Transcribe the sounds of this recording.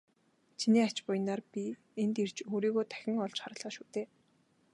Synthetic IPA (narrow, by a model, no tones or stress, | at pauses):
t͡ɕʰiniːat͡ɕpʊjɪ̆naːrpʲi | ent̪er̥t͡ɕoːɾiːɣoːt̪ʰæ̥xʲɪ̆ŋɔɮt͡ɕχaɾə̆ɮɔːʃuːt̪eː